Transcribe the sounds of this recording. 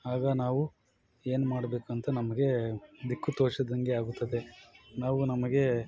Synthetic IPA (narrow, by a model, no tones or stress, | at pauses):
aːɡɐnaːʋu | e̞ːnumaːɽɐbe̞ːkuɐnt̪ɐnɐmɐɡe̞d̪ikːut̪oːʂɐd̪ɐŋɡeaːɡut̪ːɐd̪e̞naːʋunɐmɐɡe̞